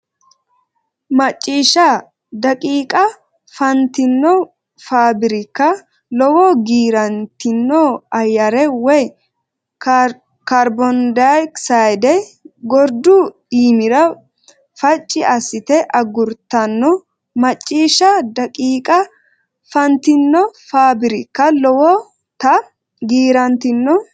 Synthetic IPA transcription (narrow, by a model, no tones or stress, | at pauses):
mɐt͡ʃʼːiːʃɐ | d̪ɐkʼiːkʼɐ | fɐnt̪ɪnːɔ | faːbɪɾɪkːɐ | lɔwoːɡiːɾɐnt̪ɪnːoːɐjːɐɾɛwɛj | kɐɾbɔnd̪ajksajd̪ɛɡɔɾd̪ʊ | iːmɪɾɐ | fɐt͡ʃʼːɪʔɐsɪt̪ɛʔɐɡʊɾt̪ːɐnːɔ | mɐt͡ʃʼːiːʃɐd̪ɐkʼiːkʼɐ | fɐnt̪ɪnːɔfaːbɪɾɪkːɐlɔwɔ | t̪ɐ | ɡiːɾɐnt̪ɪnːɔ